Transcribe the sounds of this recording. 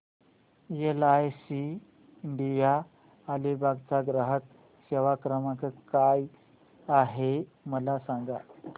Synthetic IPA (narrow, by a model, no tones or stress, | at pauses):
jelajsiː | ɳɖijaː | libaɡt͡saɡɾəɦək̪̚ | ɕeʋakɾəmakəkaj | aɦeməlasaŋɡa